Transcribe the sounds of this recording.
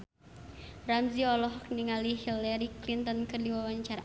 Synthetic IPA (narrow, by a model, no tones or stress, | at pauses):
ramziɔlɔɦɔk̚niŋaliɦilaɾiklint̪ɔnkɨrdiwawaɲt͡ʃaɾa